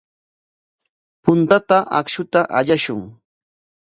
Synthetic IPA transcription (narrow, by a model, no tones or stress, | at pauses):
pʊnt̪at̪aʔa̰kʃʊt̪aʔaʎaʃʊŋ